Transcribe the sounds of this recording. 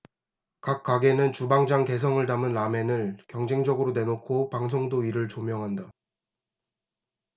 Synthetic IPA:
kak̚k͈waɡe̞nɯnt͡ɕubaŋd͡ʑaŋke̞s̬ʰʌŋɯɭtamɯnːame̞nɯɭkjʌŋd͡ʑe̞ŋd͡ʑʌɡɯɾone̞nokʰopaŋs̬ʰoŋdoiɾɯɭt͡ɕomjʌŋɦanda

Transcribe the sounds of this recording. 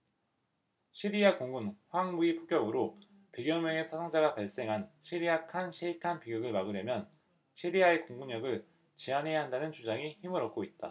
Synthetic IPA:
ɕʰiɾiakoŋɡunɸwaŋmuipʰo̥k͈jʌɡɯɾo | peɡjʌnweŋesʰasʰaŋd͡ʑaɡapaɭs͈e̞ŋɦanɕʰiɾiakʰanɕʰiikʰanpiɡɯɡɯɭmaɡɯɾjemjʌn | ɕʰiɾiae̞koŋɡuɲʌɡɯɭ | t͡ɕianɦe̞jaɦandanɯnt͡ɕʰud͡ʑaŋiçimɯɾʌp̚k͈oit̚t͈a̰

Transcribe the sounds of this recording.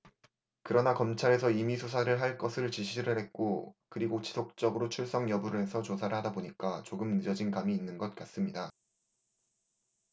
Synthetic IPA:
kɯɾʌnakʌmt͡ɕʰaɾe̞sʰʌimisʰus̬ʰaɾɯɭɦaɭk͈ʌsʰɯɭt͡ɕiɕʰiɾɯɭɦe̞t̚k͈okɯɾiɡot͡ɕi̥sʰok̚t͡ɕ͈ʌɡɯɾot͡ɕʰuɭs͈ʌŋjʌbuɾɯe̞sʰʌt͡ɕosʰaɾɯɭhadaboɲik͈at͡ɕoɡɯmnɯd͡ʑʌd͡ʑinkamiːnːɯnɡʌt̚k͈as͈ɯmɲida

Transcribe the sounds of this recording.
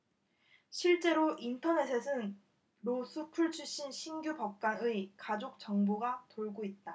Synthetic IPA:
ɕʰiɭt͡ɕ͈e̞ɾoʔintʰʌne̞sʰe̞sʰɯn | ɾosʰupʰuɭt͡ɕʰuɕʰinɕʰinɡjupʌp̚k͈anɯikad͡ʑok̚t͡ɕ͈ʌŋbuɡatoɭɡoit̚t͈a

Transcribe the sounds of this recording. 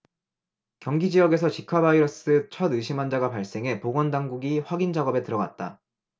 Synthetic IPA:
kjʌŋɡid͡ʑiʌɡe̞s̬ʰʌt͡ɕikʰabaiɾʌs͈ɯt͡ɕʰʌdɯɕʰimand͡ʑaɡapaɭs͈e̞ŋɦe̞poɡwʌndaŋɡuɡiɸwaɡind͡ʑaɡʌbe̞tɯɾʌɡa̰t̚t͈a

